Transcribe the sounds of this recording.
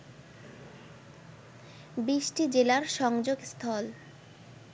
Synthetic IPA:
biʃʈid͡ʑelaɾʃɔŋd͡ʑoɡst̪ʰɔl

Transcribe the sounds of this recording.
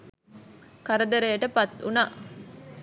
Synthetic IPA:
kɐɾɐd̪ɐɾejɐʈəpɐt̪unaː

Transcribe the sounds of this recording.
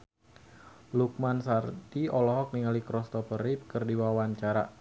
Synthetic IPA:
luk̚mansart̪iɔlɔɦɔk̚niŋalikɾɔst̪ɔpəɾip̚kərdiwawaɲt͡ʃaɾa

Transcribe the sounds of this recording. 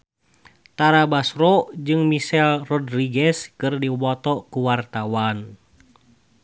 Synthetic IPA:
t̪aɾabasɾɔd͡ʒɨŋmisɛlrɔdriɡɛskɨrdiwɔt̪ɔkuwart̪awan

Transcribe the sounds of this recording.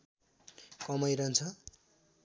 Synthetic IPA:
kʌmʌjɾʌnt͡sʰʌ

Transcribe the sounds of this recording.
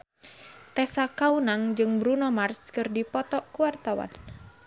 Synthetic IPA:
t̪ɛsakaunaŋd͡ʒɨŋbɾunɔmarskɨrdipɔt̪ɔʔkuwart̪awa̰n

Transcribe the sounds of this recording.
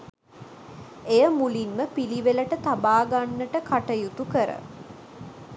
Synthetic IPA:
ejəmulinməpiliʋeləʈət̪abaːɡanːəʈəkʰaʈəjut̪ukəɾə̰

